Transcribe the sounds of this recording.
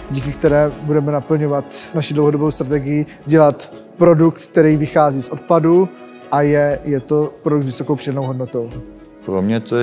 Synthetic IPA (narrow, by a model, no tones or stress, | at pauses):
ɟiːkɪkt̪ɛɾɛːbudɛmɛnapl̩ɲo̞vat̪naʃɪdlowɦodobowst̪ɾat̪ɛɡɪjɪ | ɟɛlat̪ | pɾo̞duk̚t̪̚k̚t̪ɛɾiːvɪxaːziːsʔo̞t̪̚padu | ʔajɛjɛt̪o̞pɾodukt̪zvɪso̞kowpr̥ɪdanowɦodnot̪o̞w | pɾomɲɛt̪o